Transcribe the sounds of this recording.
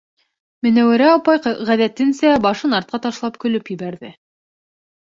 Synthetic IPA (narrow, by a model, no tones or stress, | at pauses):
mɘ̆næwɘ̆ɾæɑpɑjʁæðæt̪ɘ̆nsæbɑʃɤnɑɾt̪̚qɑt̪ɑʃlˠɑpkɵ̆lɵpjɘ̆bæɾðɘ